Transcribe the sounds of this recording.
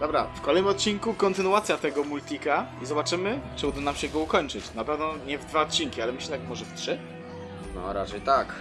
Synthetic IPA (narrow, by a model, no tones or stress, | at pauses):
d̪ɔbɾafkɔlɛjnɘmɔt̪̚t͡ɕiŋkukɔnt̪ɘnuwat̪sʲjat̪ɛɡɔmult̪ʲikazɔbat͡ʂɘmɘt͡ʂɛud̪ɔnamɕɛɡɔukɔɲt͡ʂɘt͡ɕnapɛvnɔɲɛvd̪vaɔt̪̚t͡ɕiŋkʲialɛmɘɕlɛt̪akmɔʐɛftʂɘ | nɔ̰ɾat͡ʂɛjt̪ak